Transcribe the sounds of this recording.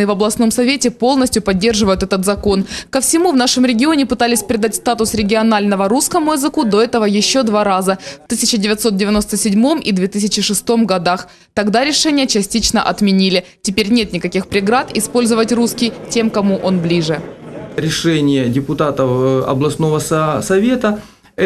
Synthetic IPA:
ɨvɐblˠɐsno̞msɐvʲetʲɪpo̞lˠnəsʲtʲjʊpɐdʲːe̞rʐɨvəjʊt̪ɛt̪ət̪zɐko̞nkəfsʲɪmuvnaʂɨmɾʲɪɡʲɪo̞nʲɪpɨt̪alʲɪsʲpɾʲɪd̪atʲst̪at̪ʊsɾʲɪɡʲɪɐnalʲnəvəɾuskəmʊɪzɨkud̪o̞ɛt̪əvəjɪɕːo̞d̪vaɾazəft̪ɨsʲɪt͡ɕɪdʲɪvʲɪt̪sot̪̚dʲɪvʲɪno̞st̪əsʲɪdʲmo̞mʔḭd̪vʲet̪ɨsʲɪt͡ɕɪʂɨst̪o̞mɡɐd̪ax | t̪ɐɡd̪aɾʲɪʂɛnʲɪjət͡ɕɪsʲtʲit͡ɕnəʔɐt̪mʲɪnʲilʲɪtʲɪpʲeɾʲnʲe̞t̪nʲɪkɐkʲixpɾʲɪɡɾat̪ɪspo̞lʲzəvətʲruskʲɪjtʲe̞mkɐmuʔo̞nblʲiʐɨɾʲɪʂɛnʲɪjədʲɪpʊt̪at̪əɐ̰blˠɐsno̞vəssɐvʲe̞t̪ə

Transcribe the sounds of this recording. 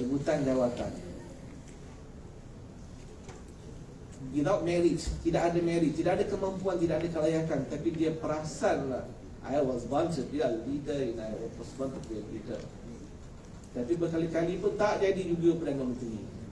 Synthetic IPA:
ɾibut̪and͡ʒawat̪a̰n | wiðawt̚mɛɾid͡ʒt̪idaʔadamɛɾid͡ʒt̪idaʔadakəmãmpuant̪idaʔadakəlajakant̪apidiapəɾasanlah | ʔa̰jawɔsbɔnt͡ʃəpidallidəɛ̃najəʔwɔpɔsbɔnɔpialidə̰ | t̪apibəkalikalipunt̪aʔd͡ʒadid͡ʒuɡəpərdanamə̃nt̪ɾi

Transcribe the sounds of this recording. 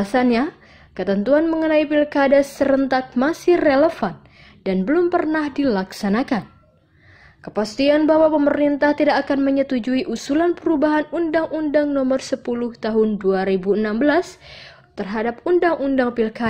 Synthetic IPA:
asanɲa | kət̪ənt̪uanməŋənaipilkadasəɾənt̪ak̚masɪhreləfan | danbəlumpərnahdilaksanakan | kəpast̪ianbawapəməɾint̪aht̪idakːkanməɲət̪ud͡ʒuiʔusulanpəɾubaɦanundaŋundaŋnɔmərsəpulʊht̪aɦʊnduaɾibuənambəlas | t̪ərɦadap̚undaŋʔundaŋpilka

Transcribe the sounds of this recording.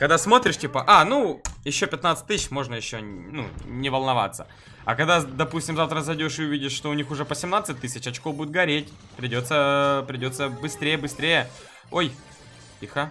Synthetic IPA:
kɐɡd̪asmo̞t̪ɾʲɪʂtʲipəʔanujɪɕːopʲɪt̪nat̪sɨ̥t̚ʲt̪ːɨɕɕmo̞ʐnəjɪɕːonṵnʲɪvəlˠnɐva̰t̪sə̥ | ɐkɐɡd̪ad̪ɐpusʲtʲɪmzaft̪ɾəzɐjdʲoʂɨʊvʲidʲɪʂʂt̪oʊnʲixʊʐɛpəsʲɪmnat̪sɨt̚ʲt̪ːɨsʲɪt͡ɕɐt͡ɕkovbudʲɪt̪̚ɡɐɾʲetʲ | pɾʲɪdʲo̞t̪səpɾʲɪdʲo̞t̪səbɨst̪ɾʲejəbɨsʲt̪ɾʲejə | oj | tʲixa

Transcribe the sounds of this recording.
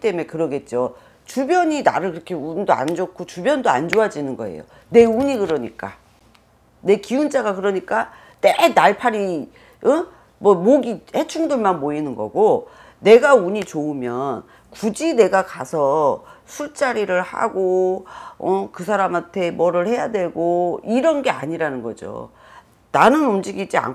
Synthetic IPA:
it͈e̞me̞kɯɾʌɡe̞t̚t͡ɕ͈o | t͡ɕubjʌɲina̰ɾɯɭkɯɾʌkʰe̞undoa̰nd͡ʑokʰot͡ɕubjʌndoa̰nd͡ʑoad͡ʑinɯnɡʌe̞̰jo̰ | ne̞uɲikɯɾʌɲik͈a̰ | ne̞kiunt͡ɕ͈aɡakɯɾʌɲik͈a | t͈enaɭpʰaɾi | ʌ | mwʌmoɡihe̞t͡ɕʰuŋdɯɭmanboinɯnɡʌ̰ɡo | ne̞ɡauɲit͡ɕoɯmjʌn | kud͡ʑine̞ɡakasʰʌsʰuɭt͡ɕ͈aɾiɾɯɭha̰ɡo | ʌkɯsʰaɾamɦantʰe̞mʌɾɯɭhe̞jadwe̞ɡoiɾʌnɡe̞aɲiɾanɯnɡʌ̰d͡ʑo̰ | nanɯnund͡ʑiɡid͡ʑia̰n

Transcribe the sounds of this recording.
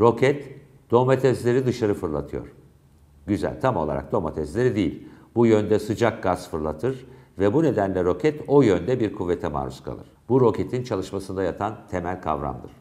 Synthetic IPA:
ɾo̞cʰɛt̪ | d̪̥o̞mat̪ʰɛzlʲe̞ɾid̪ɯʃaɾɯfɯɾlˠa̰t̪ʰɯjo̞̰ɾ̥ | ɟyzæ̰lʲt̪ʰamo̞lˠa̰ɾa̰k̚d̪o̞mat̪ʰɛzlʲe̞ɾid̪ejḭlʲbujønd̪ɛsɯd͡ʒak̚ɡaz̥fɯɾlˠat̪ʰɯɾvɛbune̞d̪ænlʲɛɾo̞cʰɛt̪o̞jønd̪ɛbiɾkʰuvːet̪ʰɛma̰ːɾu̥̰skʰa̰lˠɯ̰ɾ̥buɾo̞cʰe̞t̪ʰint͡ʃʰalˠɯʃmasɯnd̪ajat̪ʰant̪ʰemælʲkʰa̰vɾa̰md̪ɯɾ̥

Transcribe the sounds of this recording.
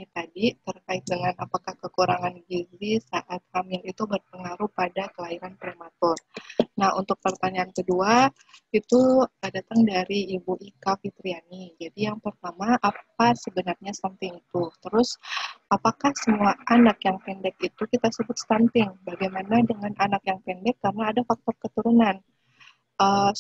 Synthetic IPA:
it̪adit̪ərkaɪt̪̚dəŋanapakahkəkuɾaŋanɡizisaʔat̪̚hamɪlit̪ubərpəŋaɾupadakəlaiɾanpɾemat̪ɔrnahunt̪ʊk̚pərt̪aɲaːnkədua | it̪uədat̪aŋdaɾiːbuʔikafit̪ɾianid͡ʒadijaŋpərt̪amaʔap̚asəbənarɲast̪ant̪ɪŋit̪ut̪əɾʊsʔapakahsəmuaʔanakjaŋpɛndɛk̚it̪ukit̪asəbʊt̪̚st̪ant̪ɪŋbaɡajmanadəŋananakjaŋpɛndɛkːarənaːdafak̚t̪ɔrkət̪uɾunan | ə

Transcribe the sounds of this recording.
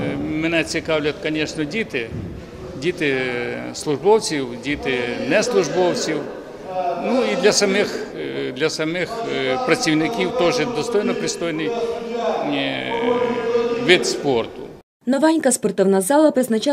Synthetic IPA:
mɪnɛt͡sʲikɑwlʲɐt̪kɐnʲɛʂnɔdʲit̪ɪ | dʲit̪ɪslˠʊʐbɔwt͡sʲiwdʲit̪ɪnɛslˠʊʐbɔwt͡sʲiw | nuid̪lʲɐsɐmɪxd̪lʲɐsɐmɪxpɾɐt͡sʲiwnɪkʲiwt̪ɔʒɪd̪ɔst̪ɔjnɔpɾɪst̪ɔjnɪj | ʋʲid̪spɔrt̪ʊ̰ | nɔʋanʲkɐspɔrt̪ɔwnazɑlˠɐpɾɪznɐt͡ʃa

